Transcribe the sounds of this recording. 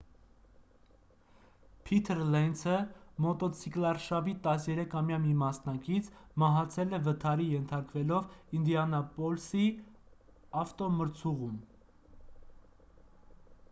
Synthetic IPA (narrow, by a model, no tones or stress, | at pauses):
pʰit̪ʰəɾlɛnsʰəmɔt̪ɔt͡sʰiklɑɾʃɑvit̪ɑsjɛɾɛkʰɑmjɑmimɑsnɑkit͡sʰmɑɦɑt͡sʰɛlɛvət̪ʰɑɾijɛnt̪ʰɑɾkvɛlɔvind̪iɑnɑpɔlsi | ɑft̪ɔməɾt͡sʰuʁun